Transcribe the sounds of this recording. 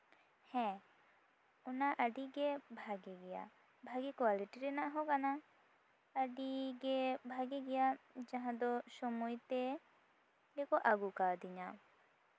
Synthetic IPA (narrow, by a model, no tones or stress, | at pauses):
hɛ̃ | ɔnaʔəɖiɡɛbʱaɡɛɡɛja̰ | bʱaɡɛkwaliʈiɾɛnaʔɦɔkana | əɖiɡɛbʱaɡɛɡɛjad͡ʒaɦãd̪ɔsɔmɔjt̪ɛ | ɛkɔʔaɡukad̪iɲa